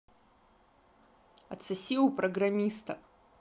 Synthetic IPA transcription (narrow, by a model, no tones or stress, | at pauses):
ɐt̪sɨsʲiwpɾɐɡɾamʲist̪ɐ